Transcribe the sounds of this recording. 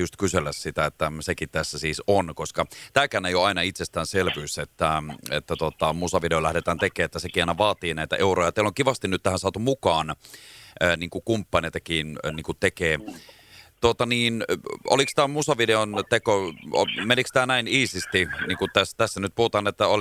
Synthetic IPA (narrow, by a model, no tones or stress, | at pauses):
just̪kyselːæssit̪æet̪ːæsekit̪t̪æsːæsiːsonkoskɑt̪æːkænejoɑinɑit̪sest̪æːnselʋyːset̪ːæḛt̪ːæt̪uot̪ɑmusɑʋideolæhdet̪æːnt̪ekeːet̪ːæsekiɑˑinɑʋɑːt̪iːnæit̪æ̰ʔeurojɑt̪eiloŋkiʋɑst̪inyt̪t̪æhænsɑːt̪umukɑːnː | niːŋkukumpːɑneˑːt̪ɑkiːnniːŋkut̪ekeː | t̪uot̪ɑniːno̰likst̪æːmusɑʋideont̪ekomenikst̪æːnæiniːsist̪iniːŋkut̪æst̪æsːænyt̪̚puhut̪ɑːnet̪ːæo